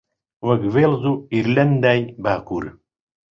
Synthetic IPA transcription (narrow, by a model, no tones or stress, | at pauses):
wɐɡvelzuiɾlɐnd̪ajbaːkuɾ